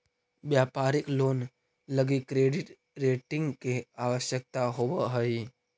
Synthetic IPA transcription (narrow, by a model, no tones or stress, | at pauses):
ʋjaːpaɾɪkloːn | ləɡikɾeːɖɪʈ | ɾeːʈɪ̃ŋɡkeaʋəʃjək̚t̪aɦoʋəɦəi